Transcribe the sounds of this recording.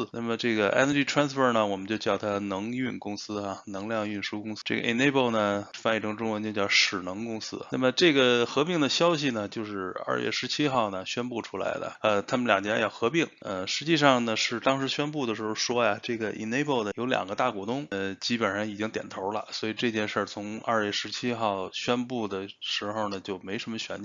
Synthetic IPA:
na˥˩mə˩ʈ͡ʂɤ˥˩ɡə˩ʔɛ̰˥nə˧ʈ͡ʂi˥ʈ͡ʂʰɹa˥nsfə˥˧nə˩wɔ˨˩mə˦nt͡ɕjo˥˧ʊt͡ɕjɑ˥˩ʊt̪ʰa˥˧nɤ˧˥ŋy˥˩nkʊ˥ŋsɹ̩˥a˥˧nɤ˧˥ŋljɑ˥˧ŋy˥˩nʂu˥kʊ˥ŋsʈ͡ʂe˥˩ɡə̰˧ʔḭ˥˧˩ne˥˧ɪpo˥˩ʊnə˩fa˥ni˥˩ʈ͡ʂʰɤ˧˥ŋʈ͡ʂʊ˥ŋwə˧˥nt͡ɕo˥˧t͡ɕjɑ˥˩ʊʂɻ̩˨˩nɤ˧˥ŋkʊ˥ŋsɹ̩˥˧na˥˩mə˩ʈ͡ʂɤ˥˩ɡə˩xɤ˧˥pi˥˩ŋd̪ə˩ɕjɑ˥ʊɕ̬i˨˩nə˩t͡ɕjo˥˧ʊʂɻ̩˥˧ɐ̰˥˧ɥɛ̰˥˩ʂɻ̩˧˥t͡ɕʰi˥xɑ˥˩ʊnə˩ɕɥɛ˥npu˥˩ʈ͡ʂʰu˥la̰˧˥ɪd̪lə̰˧˩ə˧t̪ʰa˥mə˨nljɑ˨˩ŋt̪jɛ˧˥jɑ˥˩ʊxɤ˧˥pi˥˩ŋə˧ʂɻ̩˧˥t͡ɕi˥˧ʂɑ˥˩ŋnə˩ʂɻ̩˥˩t̪ɑ˥ŋʂ̬ɻ̩˧˥ɕɥɛ˥npu˥˩d̪ə˩ʂɻ̩˧˥xo˥˧ʊʂwɔ˥ja˨ʈ͡ʂɤ˥˩ɡə˩ʔḭ˥˩ne˥˧ɪpo˥˩ʊd̪ə˩jo˧˥ʊljɑ̰˨˩ŋɡə˦t̪a˥˩kwɔ˨˥˩t̪ʊ˥ŋt͡ɕi˥pə˨˩nʂɑ˥˩ŋi˨˩t͡ɕi˥ŋt̪jɛ̰˨˩nt̪ʰo˧˥ʊlə̰˧swɔ˧˥i˨˩ʈ͡ʂɤ˥˧t͡ɕjɛ˥˧nʂə˞˥˩t͡sʰʊ˧˥ŋɐ̰˥˧ɥɛ˥˩ʂɻ̩˧˥t͡ɕʰi˥xɑ˥˩ʊɕɥɛ˥npu˥˩d̪ə˩ʂɻ̩˧˥xo˧ʊnə˩t͡ɕjo˥˩ʊme˧˥ɪʂə˧˥mə˧ɕɥɛ̰˧˥n˩

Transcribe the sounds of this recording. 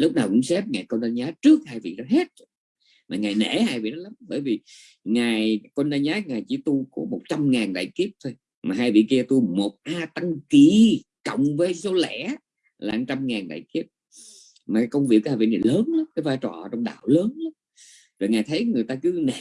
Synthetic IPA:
lʊ˦˥k͡p̚naː˨˩wkʊ̰˧˥ŋ͡msɛ˦˥p̚ŋaː˨˩jkɔ˧nzaː˧zaː˨˦˥t͡ɕɨ˦˥ək̚haː˧jvḭ˧˨nɔ˨˦ɦe˦˥t̚ | maː˨˩ŋaː˨˩jnḛ˧˩haː˧jvḭ˧˨nɔ˨˦la˨˦mɓəː˧˩jvi˨˩ | ŋaː˨˩jkɔ˧nɗaː˧nɲaː˨˦˥ŋaː˨˩jt͡ɕḭ˧˥t̪u˧ko˨˦mo˨˩t̚t͡ɕa˧mŋaː˨˩nɗa̰ː˧˨jki˦˥əp̚t̪ʰo˧j | maː˨˩ɦaː˧jvḭ˧˨ki˧ət̪u˧mo˨˩t̚ʔaː˧t̪a˧ŋki˧˩˨kə̰˧˨wŋ͡mvəː˨˦jso˨˦lɛ̰˧˩˥ | laː˨˩˧t͡ɕa˧mŋaː˨˩nɗa̰ː˧˨jki˦˥əp̚ | maː˨˩kaː˨˦kə˧wŋ͡mvi˨˩k̚ːhaː˧˩vḭ˧˨na˨˩jləː˨˦nla˨˦mkaː˨˦jvaː˧jt͡ɕɔ̰˨˩ʔə̰˨˦t͡ɕɔ˧wŋ͡mɗa̰ː˧˨wləː˨˦nla˨˦m | zo˨˩jŋaː˨˩jt̪ʰə˨˦jŋɨ˨˩əjt̪aː˧kɨ˨˦nḛ˧˩˨

